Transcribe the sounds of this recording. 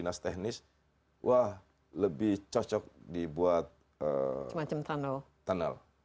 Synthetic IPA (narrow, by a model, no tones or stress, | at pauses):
inast̪ɛhnɪs | wʔah | ləbɪht͡ʃɔt͡ʃɔk̚dibuat̪̚ | ə̰mat͡ʃamt̪ʰanəl | t̪anə̰l